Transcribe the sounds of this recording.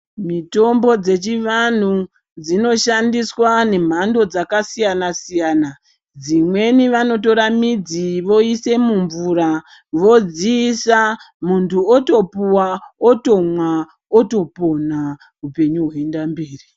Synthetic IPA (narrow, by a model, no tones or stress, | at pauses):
mito̞mbo̞d͡ze̞t͡ʃiʋan̤u | d͡zino̞ʃandiswane̞m̤ando̞d͡zakasijanasijaːna | d͡zimwe̞niʋano̞to̞ɾamid͡ziʋo̞ise̞muɱvuɾa | ʋo̞d͡ziːsa | muntʰuoto̞puwaoto̞mwa | oto̞po̞na | upe̞ɲuɦweendambeːri